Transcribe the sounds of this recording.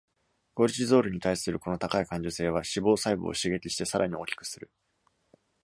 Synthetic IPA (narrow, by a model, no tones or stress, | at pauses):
ɡ̥o̞ɾʲit͡ɕizo̞ːɾɯ̟ɲ̟it̪aisɨɾɯ̟ko̞no̞t̪akaikãɲ̟d͡ʑo̞se̞ːβ̞aɕibo̞ːsaibɯ̰o̰ɕiɡe̞kʲiɕi̥t̪e̞saɾʔaɲ̟io̞ːkʲi̥kɯ̟̥sɨɾɯ̟